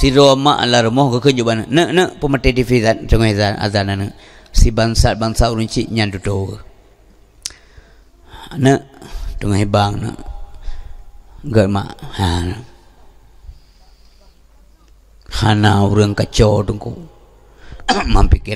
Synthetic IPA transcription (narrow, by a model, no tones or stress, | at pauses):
siɾoma̰ʔa̰laɾəmɔhɡəkəd͡ʒubanəʔnəʔnəʔpəmətetifizant͡ʃəŋoizana̰zananəʔ | sibaŋsat̪̚baŋsauɾəŋt͡ʃiʔɲandutowə | nəʔtuŋaɦibaŋnə̰ʔ | ɡəʔma̰ʔhanə | hanauɾəŋkat͡ʃotuŋkṵ | mampiki